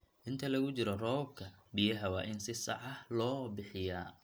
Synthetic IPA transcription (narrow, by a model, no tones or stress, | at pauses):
ʔɪnt̪ʰɐlɐɣʊt͡ʃɪɾɔrɔb̚kʰɐbɪjɐɦɐwɑːʔɪnsɪsɑ̰ʕɑlɔːbɪħɪjaː